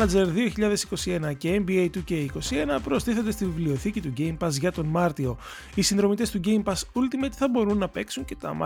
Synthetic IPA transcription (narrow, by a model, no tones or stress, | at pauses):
nɐd͡ze̞ɾðio̞çiʎɐðe̞si̥ko̞sie̞nɐceembiejt̪uce̞iko̞sie̞nɐpɾo̞st̪iθo̞nd̪e̞st̪ivivlio̞θicit̪uɟe̞jmpɐsʝɐt̪o̞nmɐɾt̪io̞ | isinðɾo̞mit̪est̪uɟe̞jmpɐsult̪imet̪i̥θɐbo̞ɾunːɐpe̞ksuɲce̞t̪ɐ̰mɐ̰